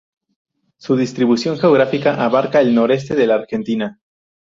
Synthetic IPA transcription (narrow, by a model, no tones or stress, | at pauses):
suðist̪ɾiβusjo̞ŋxe̞oɣ̞ɾafikaʔaβaɾkaelno̞ɾe̞s̬t̪e̞ðe̞laːɾxe̞nt̪ina